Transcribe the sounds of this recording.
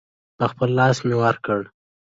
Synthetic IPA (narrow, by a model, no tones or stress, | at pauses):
pəxpəlːɑsmewəɾkəɽ